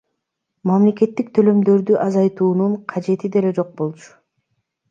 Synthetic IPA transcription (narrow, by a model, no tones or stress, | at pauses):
mamle̞ke̞t̪ːik̚t̪ʰø̞lø̞md̪ø̞ɾd̪yʔɑzɑjt̪uːnuɴqʰɑd͡ʒe̞t̪id̪e̞le̞d͡ʒo̞q̚bo̞lˠt͡ʃʰʊ̥